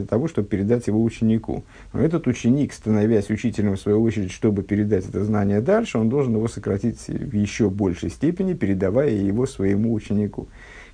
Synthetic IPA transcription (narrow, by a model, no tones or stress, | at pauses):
ət̪ɐvo̞ʂt̪o̞bpʲɪɾʲɪd̪atʲjɪvo̞ʊt͡ɕɪnʲɪkṵ | ɛt̪ət̪ʊt͡ɕːɪnʲikst̪ənɐvʲæsʲʊt͡ɕitʲɪlʲəmfsvɐjuot͡ɕɪɾʲɪdʲʂt̪o̞bɨpʲɪɾʲɪd̪atʲɛt̪əznanʲɪjəd̪alʲʂɨond̪o̞lˠʐɨnjɪvo̞səkɾɐtʲisʲvjɪɕːo̞bo̞lʲʂɨjsʲtʲepʲɪnʲɪpʲɪɾʲɪd̪ɐvajəjɪvo̞svəjɪmuːt͡ɕɪnʲɪkṵ